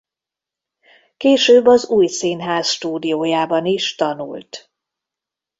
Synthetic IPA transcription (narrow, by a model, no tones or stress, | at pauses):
keːʃøːbːɒzuːjseːnɦaːsʃt̪uːd̪ijoːjaːbɒniʃt̪ɒnṵlt̪